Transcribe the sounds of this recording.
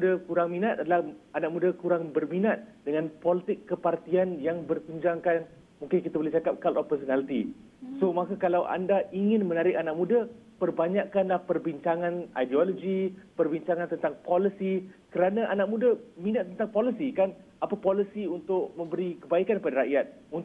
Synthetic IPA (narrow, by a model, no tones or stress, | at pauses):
mudakuɾaŋmĩnat̪̚adalahanak̚mũdakuɾaŋbərminat̪̚dəŋãnpolit̪ɪkːəpart̪ianjaŋbərkuɲd͡ʒaŋkan | mũŋkɪnkit̪abolɛht͡ʃakap̚kalɔpəsonalit̪ḭ | somakakalawʔa̰ndaiŋɪnmənaɾɪkanak̚mũda | pərbaɲaʔkanlahpərbiɲt͡ʃaŋãna̰jdioloɡipərbiɲt͡ʃaŋãnt̪ənt̪aŋpolisikəɾanaʔanak̚mũdamĩnat̪̚ːənt̪aŋpolisikan | apapolisiunt̪ʊk̚mə̃mbəɾikəbaikanpadaɾaʔjat̪̚ | unt̪